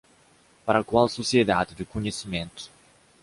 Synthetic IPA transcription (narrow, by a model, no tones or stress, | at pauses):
paɾɐkwalsosied̪ad̪ɪd̪ukoɲesimẽnt̪ʊ̥